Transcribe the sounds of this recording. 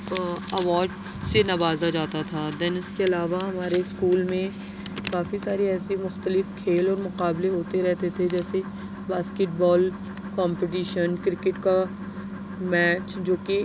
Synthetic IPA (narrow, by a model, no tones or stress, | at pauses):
ɐʋaːɾɖ | senɐʋaːzad͡ʒaːt̪at̪ʰad̪ɛnɪskeɐlaːʋaɦɐmaːɾeskuːlmẽ | kaːfisaːɾiɛːsimʊxt̪əlɪfkʰeːlɔːɾmʊqaːbleɦoːt̪eɾɛɦt̪et̪ʰed͡ʒɛːse | baːskeʈ̚bɔːl | kɔ̃ːmpeʈ̬iːʃənkɾɪkɪʈka | mɛːt͡ʃd͡ʒoːke